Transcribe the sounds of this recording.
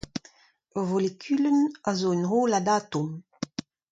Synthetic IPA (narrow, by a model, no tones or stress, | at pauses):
volikʲʰylənazoynʁolad̪at̪um